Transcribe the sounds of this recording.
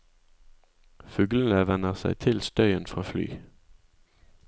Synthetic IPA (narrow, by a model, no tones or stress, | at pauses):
fʉːɡln̩əʋɛnəʁsæ̰ɪt̪ʰɪlst̪œʏənfʁɑːfly̰ː